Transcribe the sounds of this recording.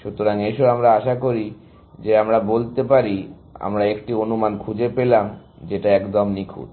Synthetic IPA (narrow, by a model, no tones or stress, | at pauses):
ʃut̪ːoɾaŋeʃoɾamɾaaʃakoɾi | d͡ʑeamɾabolt̪epaɾi | a̰mɾaekʈionumankʰud͡ʑepelam | d͡ʑeʈaɛkd̪omnikʰṵd̪